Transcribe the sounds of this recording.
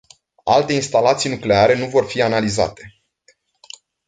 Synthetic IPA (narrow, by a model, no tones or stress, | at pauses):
a̰lt̪e̞inst̪alat̪sijnukle̞aɾe̞nuvo̞rfianaliza̰t̪e̞